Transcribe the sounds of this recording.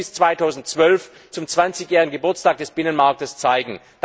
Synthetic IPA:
ɪst͡sv̥aɪtʰaʊzn̩tt͡sv̥œlf | t͡sʊmt͡sv̥ant͡sɪçjɛːɪən̩ɡəbʊɐt͡sstaːk̚d̥ɛsb̥ɪnənmaɐk̚təst͡saɪɡŋ̩ | d̥

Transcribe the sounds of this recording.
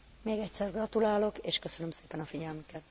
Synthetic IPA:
meːɡɛcʲsɛrɡrɒt̪ulaːlo̞keːʃkøsønømse̥ːpɛnɒfiɟɛlmykɛt̪

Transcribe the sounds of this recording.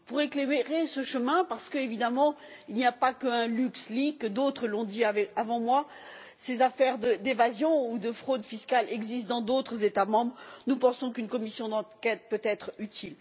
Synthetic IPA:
puʁeklemeʁesəʃəmɛ̃paʁsə̥kəevid̪amɑ̃ | ilnijapakəɛ̃lykslikəd̪ot̪χəlɔ̃d̪iavɛavɑ̃mwa | sezafɛʁd̪əd̪evazjɔ̃ud̪əfχod̪fiskalɛɡzist̪̚d̪ɑ̃d̪ot̪χəzet̪amɑ̃bʁnupɑ̃sɔ̃kynkɔmisjɔ̃d̪ɑ̃kʲɛt̪̚pøt̪ɛt̪χyt̪ʰil

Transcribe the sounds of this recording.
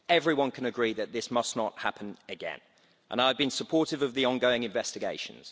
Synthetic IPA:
ɛvɹiwʌ̃nkʰə̃nəɡɹiːðɨʔ̪̚ðɪsmʌsnət̚hapʰə̃nəɡɛ̰̃n | ʔə̰̃naɪvbɨ̃nsəpʰɔˑtɪvəvðiɒ̃nɡəʊɪ̃ŋɪ̃ɱvɛstɪɡeɪʃə̰̃nz̥

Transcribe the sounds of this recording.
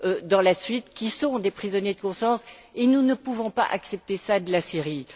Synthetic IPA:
ød̪ɑ̃lasɥit̪kʲisɔ̃d̪epχizɔnjed̪əkɔ̃sɑ̃senunəpuvɔ̃pa̰ʔa̰ksɛp̚t̪esad̪əlasiʁi

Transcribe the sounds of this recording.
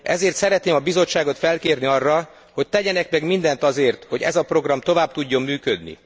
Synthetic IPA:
ʔɛ̰zeːrt̪sɛɾɛt̪neːmɒbizo̞t͡ʃːaːɡo̞t̪fɛlkeːrniɒrːɒ | ho̞c̚t̪ɛɟɛnɛkmɛɡmind̪ɛnt̪ɒzeːrt̪ho̞ɟɛ̰zɒpro̞ɡrɒmt̪o̞vaːb̚t̪uɟːo̞mːyːkød̪nḭ

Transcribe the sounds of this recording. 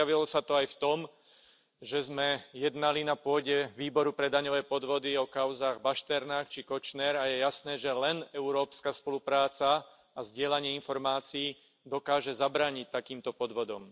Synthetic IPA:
aʋilɔsat̪ɔajft̪ɔm | ʒɛzmɛjɛd̪nalinapʊɔɟɛʋiːbɔɾupɾɛd̪aɲɔʋɛːpɔd̪ʋɔd̪iɔkaʊzaːɣbaʃt̪ɛɾnaːxt͡ʃikɔt͡ʃnɛɾajɛjasnɛːʒɛlɛnɛuɾɔːpskaspɔlupɾaːt͡saː | zɟɪɛlaɲɪɛinfɔɾmaːt͡siiː | d̪ɔkaːʒɛzabɾaːɲic̚t̪akiːmt̪ɔpɔd̪ʋɔd̪ɔ̰m

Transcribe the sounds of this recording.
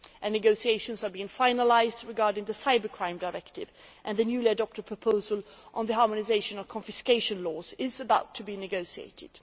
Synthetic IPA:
ʔɨ̃nɨɡoʊsieɪʃɨ̃nzə˞biɪ̃ŋfãɪ̃nəlaɪzdɹɨɡɑɹdɪ̃ŋðɨsaɪbə˞kʰɹ̥ãɪ̃mdaɹɛktɪvʔɨ̃nðɨnjʉliɨdɔp̚tɨd̚pʰɹ̥əpʰoʊzəlˠʔə̃nðəɦɑɹmənɨzeɪʃɨ̃nʌv̥kʰə̃nfɨskeɪʃə̃nlɔːzɪzəbaʊtʰːɨbinɨɡoʊsiḛɪɾɪ̰d̥

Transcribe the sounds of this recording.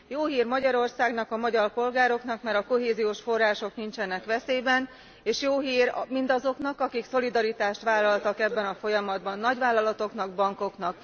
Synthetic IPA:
joːɦiːrmɒɟɒɾo̞rsaːɡnɒkɒmɒɟɒrpo̞lɡaːɾo̞knɒkmɛɾɒko̞ɦeːzijoːʃfo̞rːaːʃo̞knint͡ʃɛnɛkʋɛseːbɛn | eːʃjoːɦiːrmind̪ɒzo̞knɒkɒkikso̞lid̪ɒɾit̪aːʃt̪ʋaːlːɒlt̪ɒkɛbːɛnɒfo̞jɒmɒd̪bɒnːɒɟʋaːlːɒlɒt̪o̞knɒɡbɒŋko̞knɒk

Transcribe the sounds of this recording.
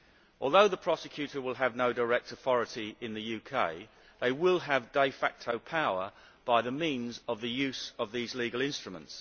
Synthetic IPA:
ɔ̰ːlˠðəʊðəpʰɹ̥ɒsɪkʰj̥ʉˑtə˞wɪlˠəvnəʊdəɹɛk̚tʰəθɒɹətiɪ̃nðəjʉːkʰeɪ | ðeɪwɪlˠəvdeɪfæk̚tʰəʊpʰaʊə˞ | b̥aɪðəmĩnzəvðəjʉˑsəvðizliːɡəlˠɪ̃nstɹ̥əmə̰̃nts

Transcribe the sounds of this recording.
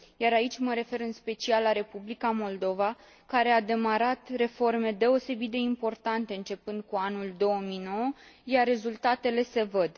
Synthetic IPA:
jaɾait͡ʃʲməɾe̞fe̞ɾɨnspe̞t͡ʃialːaɾe̞publikamo̞ld̪o̞va | kaɾe̞ad̪e̞maɾat̪re̞fo̞rme̞d̪e̞o̞se̞bit̪̚d̪e̞impo̞rt̪ant̪e̞ɨnt͡ʃe̞pɨnd̪̚kuanuld̪o̞omino̞wəjarre̞zult̪at̪e̞le̞se̞vəd̪

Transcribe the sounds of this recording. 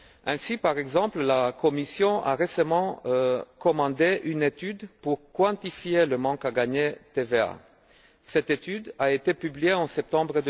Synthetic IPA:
ɛ̃sipaʁɛɡzɑ̃pllakɔmisjɔ̃ʔa̰ʁesamɑ̃kɔmɑ̃d̪eʔynet̪yd̪puʁkwɑ̃t̪ifjeləmɑ̃kaɡaɲet̪evea̰ | sɛt̪et̪yd̪aet̪epyblijeɑ̃sɛp̚t̪ɑ̃bʁəd̪

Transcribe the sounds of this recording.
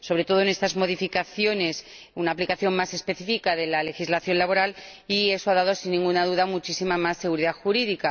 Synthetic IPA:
so̞βɾe̞t̪o̞ð̞one̞st̪azmo̞ðifikaθjo̞ne̞s | unaːplikaθjo̞mmase̞spe̞θifikaðe̞lale̞xizlaθjo̞nlaβo̞ɾalie̞so̞aðað̞osinːĩŋɡunað̞uðamut͡ʃisimamasːe̞ɣ̞uɾiðaxuɾiðika

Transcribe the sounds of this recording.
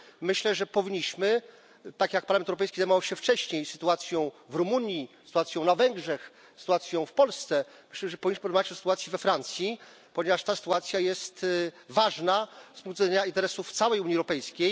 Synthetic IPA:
mɘɕlɛʐɛpɔvʲiɲːiɕmɘ | t̪akjak̚paɾlamɛnt̪ɛwɾɔpɛjskʲizajmɔvawɕɛft͡ʂɛɕɲejsɘ̥t̪uat̪sʲjɔ̃w̃vɾumuɲjisɨ̥t̪uwat̪sʲjɔ̃w̃navɛŋɡʐɛx | sɨ̥t̪uwat̪sʲjɔ̃w̃fpɔlst̪sɛ | mɘɕlɛʐɛpɔvʲiɲiɕmɘɔd̪mavat͡ɕɔsɨ̥t̪uwat̪sʲjivɛfɾant̪sʲji | pɔɲevaʂt̪asɨ̥t̪uat̪sʲjajɛst̪vaʐnaspuŋkt̪vɛɲaint̪ɛɾɛsuft̪sawɛjuɲjiɛwɾɔpɛjskʲej

